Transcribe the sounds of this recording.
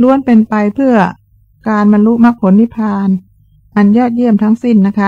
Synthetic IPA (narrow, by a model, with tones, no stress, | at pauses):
lu˦˥ənpe˧npa˧jpʰɯ˥˩ɐ | kaː˧nba˧nlu˦˥ʔma˦˥k̚pʰo˨˩˦nːi˦˥pʰaː˧n | ʔa˧njɔː˥˩t̪̚jɯ˥˩əmt̪ʰa˦˥ŋsi˥˩nːa˦˥kʰa˦˥